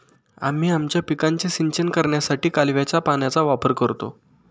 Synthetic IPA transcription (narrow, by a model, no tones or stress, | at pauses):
a̰m̤iːamt͡ɕjapikãɲt͡ɕisiɲt͡ɕənkəɾɳjasaʈiːkalʋjat͡ɕapanjat͡saʋapəɾkəɾt̪o̰